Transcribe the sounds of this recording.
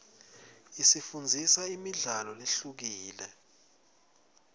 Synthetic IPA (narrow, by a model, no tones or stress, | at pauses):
isifund͡zʱisaimiɮalɔliɬuk̬iːlɛ